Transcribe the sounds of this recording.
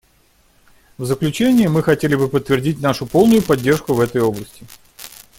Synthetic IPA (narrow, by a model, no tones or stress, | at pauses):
vzəklʲʉt͡ɕenʲɪːmɨxɐtʲelʲɪbɨpət̪ːvʲɪrdʲitʲnaʂʊpo̞lˠnʊjʊpɐdʲːe̞rʂkʊvɛt̪əjo̞blˠəsʲtʲɪ